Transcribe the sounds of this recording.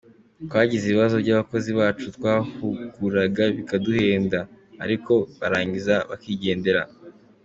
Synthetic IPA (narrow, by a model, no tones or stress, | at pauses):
twaːɟiziβiβazo̞bɟaβako̞ziβaːt͡ʃutwaːhuɡuɾaɡaβikaduhe̞ːndaː | ɾiko̞βaɾaːɲɟizaβa̰kiːɟe̞ːnde̞ɾa